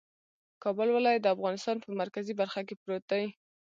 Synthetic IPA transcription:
kɑbəlwɪlɑjat̪̚d̪əafɣɑnɪst̪ɑnpəmaɾkazibaɾxakepɾot̪awi

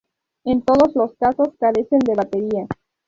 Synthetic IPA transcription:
e̞nt̪o̞ðo̞zlo̞skaso̞skaɾe̞se̞nd̪e̞βat̪e̞ɾia

